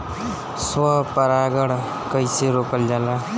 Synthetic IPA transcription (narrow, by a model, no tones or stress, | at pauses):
swapəɾaɡəɽ | kəjseɾokəld͡ʒala